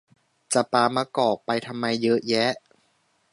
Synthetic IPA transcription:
t͡ɕa˨˩paː˧maː˧kɔː˨˩k̚pa˧jt̪ʰa˧mːa˧jːɤ˦˥ʔjɛ˦˥ʔ

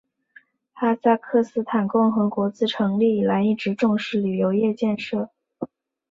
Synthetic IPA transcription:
a˥sa˥˧kʰɤ˥˧sɹ̩˥t̪ʰa˨˩nkʊ˥˩ŋxɤ˧˥kwɔ˧˥t͡sɹ̩˥˩ʈ͡ʂʰɤ˧˥ŋli˥˩i˩la˧˥ɪi˥˩ʈ͡ʂɻ̩˧˥ʈ͡ʂʊ˥˧ŋʂɻ̩˥˩ly˨˩jo˧˥ʊjɛ˥˧t͡ɕjɛ˥˧nʂɤ˥˩

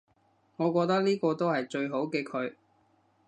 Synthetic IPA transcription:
ŋɔː˨˧kwɔː˧k̚t̪ɐ˥k̚liː˥kɔː˧t̪o˥whɐ˨jt͡ʃɵ˧ɥɦo˨˥wkeː˧kʰɵ˨˧ɥ

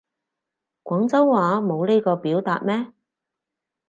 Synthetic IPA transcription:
kʷɔː˨˥ŋt͡sɐ˥wːaː˨˧mo˨˧wne˥jkɔː˧piː˨˥wt̪a̰ː˧˨t̚mɛː˥

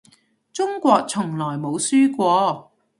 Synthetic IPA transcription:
t͡sʊ˥ŋkʷɔː˧k̚t͡sʰʊ˨˩ŋlɔː˨˩jmo˨˧wsyː˥kʷɔː˧

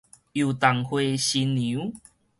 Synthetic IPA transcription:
ju˨˩t̪a˨˩ŋhwe˧ɕi˧nːiũ˨˦

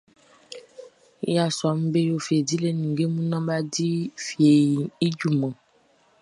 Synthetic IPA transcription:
ja˦˨su˨a˨m̩̃˦be˦jo˦˨fi˨e˨di˦le˦nũ˨ɡe˦mũ˦nã˦ba˦di˦fi˨e˨i˨i˦d͡ʒu˦˨mã˨

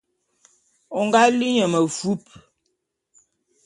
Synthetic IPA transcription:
ɔ˨ŋɡa˦li˦ɲə˨mə˨fu˦p̚

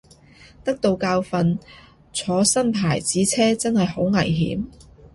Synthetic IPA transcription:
t̪ɐ˥k̚t̪o˨wkaː˧wfɐ˧n | t͡sʰɔː˨˥sɐ˥npʰaː˨˩jt͡siː˨˥t͡sʰɛː˥t͡sɐ˥nhɐ˨jho˨˥wŋɐ˨˩jɦḭː˨˥m

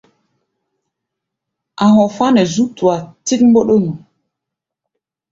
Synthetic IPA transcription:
a˨ɦɔ˨fa˦nɛ˨zu˦tu˨a˨ti˦k̚m˦bo˦ɗo˦nu˨

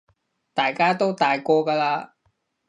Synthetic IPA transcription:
t̪aː˨jkaː˥t̪o˥wt̪aː˨jkɔː˧kaː˧laː˧

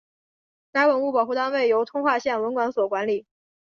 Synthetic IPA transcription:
ka˧˥ɪwə˨˩nu˥˩pɑ˨˩ʊxu˥˩t̪ɑ˥nwe˥˩ɪjo˧˥ʊt̪ʰʊ˥ŋxwa˥˧ɕjɛ˥˩nwə˧˥nkwa˧˥nswɔ˨˩kwa˧˥nli˨˩˦

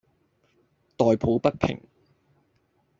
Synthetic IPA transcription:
t̪ɔː˨jpʰuː˨˥pɐ˥t̚pʰɪ̰˨˩ŋ

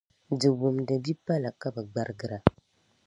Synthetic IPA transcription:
dɨ˨wo˨mdɨ˨bi˦pa˦la˨ka˦ba˨ɡ͡ba˨ɾɨ˦ɡɨ˦ɾa˨

